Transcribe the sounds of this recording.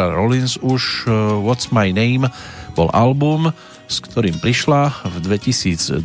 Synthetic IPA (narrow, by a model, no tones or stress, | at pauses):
aɾɔlinsuʃʋɔt̪smajnɛɪmb̥ɔ̰lʔalbum | skt̪ʰɔɾiːmpɾiʃlavd̪ʋɛcisiːd͡z